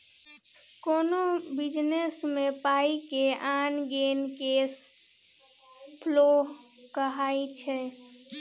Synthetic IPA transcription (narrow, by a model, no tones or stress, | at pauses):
koːnobɪd͡ʒnesmẽpaːikeʔaːnɡeːnkeːs | pʰloːɦ | kəɦaːit͡ʃʰɛː